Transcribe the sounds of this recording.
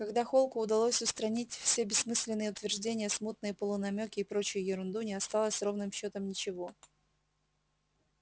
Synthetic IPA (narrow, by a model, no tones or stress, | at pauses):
kɐɡd̪axo̞lˠkʊːd̪ɐlˠosʲʊst̪ɾɐnʲitʲfsʲebʲɪsːmɨsʲlʲɪnːɨjəʊt̪vʲɪrʐdʲenʲɪjəsmut̪̚nɨjəpəlˠʊnɐmʲokʲɪːpɾo̞t͡ɕɪjʊjɪɾʊnd̪unʲɪɐst̪alˠəsʲro̞vnɨmɕːo̞t̪əmnʲɪt͡ɕɪvo̞